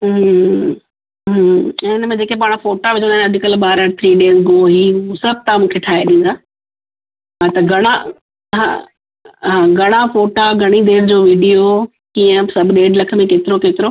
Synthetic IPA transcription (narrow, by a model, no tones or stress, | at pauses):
ɦ | ɦɪnmẽd͡ʑeːkepaːɽ̃foːʈaʋɪd͡ʑʰõnaːnɐd͡ʑʱɪkəlɓaːɾəɽt̪ʰɾiːɖeːzɡoːɦisɐb̚t̪amũːkʰeʈʰaːeɗĩːn̆d̪aː | ɦãt̪ɐɡʱɐɽ̃a | ɦã̰ | ɦãːɡʱɐɽ̃afoːʈaɡʱɐɽ̃id̪eːɾd͡ʑoːʋiːɖijo | kĩːə̃sɐbʱɗeːɖlɐkʰə̆mẽkeːt̪ɪɾokeːt̪ɪɾo